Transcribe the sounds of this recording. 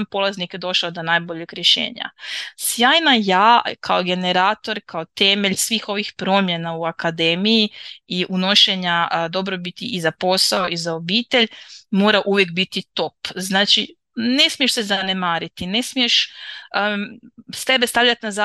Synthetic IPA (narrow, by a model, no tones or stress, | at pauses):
mpo̞lˠaznikjed̪o̞ʃlad̪onajboʎekɾʲje̞ʃe̞̰ːɲa̰sjaːjnajaːkʰaoɡe̞ne̞ɾaːt̪o̞ɾkʰaot̪e̞meʎsʋiːxo̞ʋixpɾo̞mje̞nauakad̪e̞mijiiʔuno̞ʃe̞ɲad̪o̞bɾo̞bit̪iʔizapo̞sao̞izaobiːt̪e̞ʎmo̞ːɾaʔuʋje̞kbit̪it̪o̞pznaːt͡ʃi | ne̞smie̞ʃsezane̞maːɾit̪ine̞smije̞ʃ | st̪e̞be̞st̪aʋlʎat̪naza